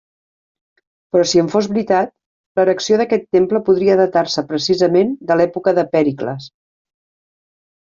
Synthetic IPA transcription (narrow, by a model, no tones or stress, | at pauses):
pɾɔsiəɱfozβɾit̪at̪̚ | ləɾəksioðəkɛt̪ːempləpuðɾiəðət̪aɾsəpɾəsizəmend̪əlɛpukəðəpɛɾiklə̰s